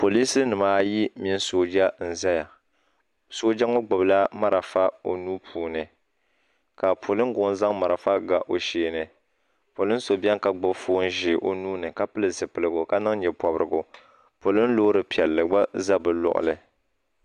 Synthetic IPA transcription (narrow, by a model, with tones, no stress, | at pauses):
po˨li˦sɨ˦nɨ˨maː˦ji˦mi˦n˦soː˦d͡ʒa˦n̩˨za˦ja˨ | soː˦d͡ʒa˦ŋo˦ɡ͡bʊ˨bla˦ma˦ɾa˨fa˦o̰˨nuː˦pʰuː˨nɨ˨ | ka˨pʰo˨lɨ˦ŋ˦ɡʊ˨ŋ˦n˦za˦ŋma˨ɾa˨fa˦ɡa˨ʔo˨ʃeː˨nɨ˨ | po˨lɨ˦n̩˦so˨bɛ˦ŋ˦ka˨ɡ͡bʊ˦bfoː˦n˦ʒɪ˨ʔo̰˦nuː˦nɨ˨ka˦pɨ˦lɨ˨zɨ˨pɨ˨lɨ˨ɡʊ˨ka˦nɨ˦ŋ˦ɲɛ˨pɔ˨bɾɨ˨ɡʊ˨ | po˨lɨ˦n˦lo˦ɾɨ˨pi˨ɛ˨lːɨ˨ɡ͡ba˦za˦bɨ˨lʊ̰˨ʔʊ̰˨lɨ̰˨